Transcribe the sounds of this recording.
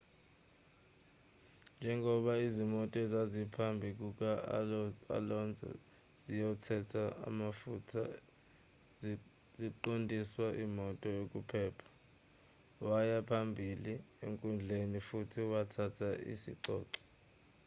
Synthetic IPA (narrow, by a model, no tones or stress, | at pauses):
nd͡ʒʱɛŋʱɔɓaizimɔtʼɛzazipʰambʱik̬uk̬ʼa | a̰lɔnd͡zʱɛ̰ | zijɔtʰɛtʰaa̰mafutʰa̰ | z | ziǃondʱiswaʔimɔtʼɔjok̬ʼupʰɛːpʰḁ | wajapʰambʱiliḛŋkʼund͡ɮʱenifutʰiwatʰatʰaʔḭsḭǀɔ̰ːǀɔ̥